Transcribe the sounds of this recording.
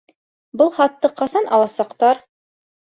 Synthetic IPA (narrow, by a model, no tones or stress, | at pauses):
bɤlˠχɑt̪ːɤqɑsɑnɑlˠɑsɑqt̪ɑɾ